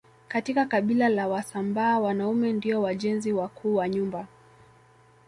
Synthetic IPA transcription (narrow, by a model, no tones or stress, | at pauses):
katikakaɓilalawasambaːwanaumɛndiɔwaʄɛnziwakʰuːwaɲumba